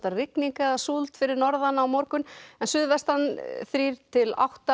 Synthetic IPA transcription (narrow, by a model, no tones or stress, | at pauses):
t̪arɪkniŋkaasult̪fɪɾɪɾnɔɾðanawmɔɾkʏnɛnsʏðvɛst̪anθɾiːɾ̥t̪ʰɪla̰wht̪a